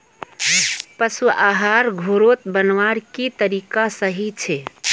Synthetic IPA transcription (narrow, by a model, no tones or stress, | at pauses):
pəsuaɦaɾɡʱoɾot̪bənʋaɾkit̪əɾikasəɦit͡ʃʰe